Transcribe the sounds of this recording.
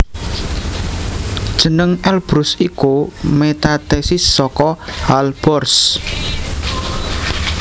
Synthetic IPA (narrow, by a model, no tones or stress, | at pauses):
d̥ʒ̥ə̤nəŋɛlb̥ɾʊsikumet̪at̪esɪsːɔkɔhalb̥ɔrs